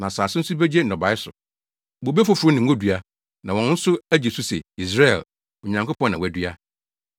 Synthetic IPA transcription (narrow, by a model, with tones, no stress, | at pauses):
nã˨saː˨sɪ˦n̩˦sʊ˦be˦d͡ʑe˦n̩˨nɔ̃˨ba˨˦ɪ˦sʊ˨ | bo˨be˦fo˨fʊ˨ɾʊ˦nɪ̃˨ŋ̩˦o˦dɥa˦ | nã˨wɔ̃˨˦n̩˦sʊ˦æ˦d͡ʑe˨su˦se˨i˨s̬ɾa˦ɛ̰˨l | o˨ɲã˨ŋko˦pʰɔ̃˦nːã˨wæ˨dɥa˦